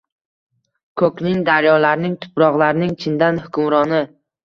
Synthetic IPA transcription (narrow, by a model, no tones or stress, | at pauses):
kʰɵkʲnɪŋd̪aɾjɒlaɾnɪŋt̪ʰʊ̥pɾɒʁlaɾnɪŋt͡ʃʰɪnd̪anhʊkʰʊmɾɒnɪ